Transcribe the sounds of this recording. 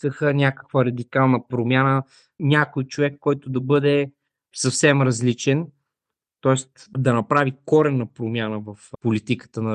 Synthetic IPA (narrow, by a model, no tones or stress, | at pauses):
kəxənʲakə̥kvəɾɐd̪ikalˠnəpɾomʲanə | nʲakojt͡ʃovɛkːɔjt̪ʊd̪ɐbɤd̪ɛ | sɐfsɛmɾɐzlit͡ʃɛn | t̪ɔɛst̪d̪ɐnɐpɾavikɔɾɛnːɐpɾomʲjanəvɐfpolit̪ikə̥t̪ənɐ